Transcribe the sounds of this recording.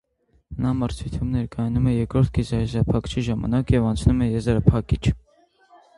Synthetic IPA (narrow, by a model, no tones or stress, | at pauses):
nɑməɾt͡sʰut̪ʰjumnɛɾkɑjɑnumɛjɛɾkɾɔɾt̪̚ʰɡizɑjɛzɾɑpʰɑkt͡ʃʰiʒɑmɑ̰nɑkjɛvɑnt͡sʰnumɛjɛzɾɑpʰɑkit͡ʃʰ